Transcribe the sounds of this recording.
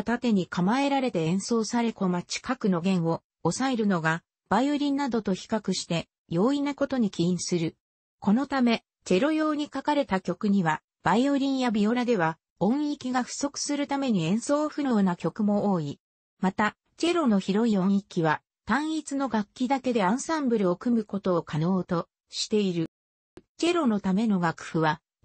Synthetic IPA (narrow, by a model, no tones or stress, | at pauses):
t̪at̪e̞ɲ̟ikʰamae̞ɾaɾe̞t̪e̞ẽ̞ɰ̃so̞ːsaɾe̞ko̞mat͡ɕi̥kakɯ̟no̞ɡẽ̞ɰ̃o̞ː | sae̞ɾɯno̞ɡa | b̥aio̞ɾʲĩnːad̪o̞t̪o̞çi̥kakɯ̟ɕi̥t̪e̞ | jo̞ːinako̞t̪o̞ɲ̟ikʲiĩɰ̃sɨɾɯ̟ | ko̞no̞t̪ame̞ | t͡ɕe̞ɾo̞jo̞ːɲ̟ikakaɾe̞t̪akʲo̞kɯ̟ɲ̟iβa | b̥aio̞ɾʲĩɰ̃jabʲio̞ɾad̪e̞βa | õ̞ɰ̃ikʲiɡaɸɯ̟̥so̞kɯ̟̥sɨɾɯt̪ame̞ɲ̟iẽ̞ɰ̃so̞ːɸɯ̟oːnakʲo̞kɯ̟mo̞oːi | mat̪a | t͡ɕe̞ɾo̞no̞çiɾo̞iõ̞ɰ̃ikʲiβa | t̪ãɰ̃it͡sɨno̞ɡakʲːid̪ake̞d̪e̞ãɰ̃sãmbɯ̟ɾɯ̟o̞kɯ̟mɯ̟ko̞t̪o̞ːkʰano̞ːt̪o̞ | ɕi̥t̪e̞iɾɯ̟ | t͡ɕe̞ɾo̞no̞t̪ame̞no̞ɡakɯ̟̥ɸɯ̟βa